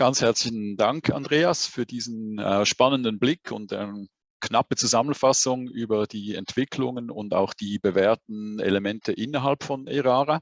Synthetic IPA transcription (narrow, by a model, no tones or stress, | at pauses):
ɡ̥ant͡shɛɐt͡slçn̩daŋkʰa̰ndʁeːasfyːɐdiːzn̩ɛʃpanəndənblɪkʰʊ̰nta̰ɪnə | kʰnapət͡suzamənfasʊŋʔyːbɐdiːɛntv̥ɪkʰlʊŋənʊ̰nda̰ʊxd̥iːbəvɛːɐtn̩elemɛntʰəʔɪnɐɦalpfɔneʁaːʁa